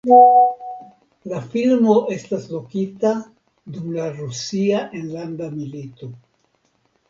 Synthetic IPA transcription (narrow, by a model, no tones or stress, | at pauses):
lafilmo̞ʔe̞staslo̞kita | dumlaɾusiaʔe̞nlandamilito̞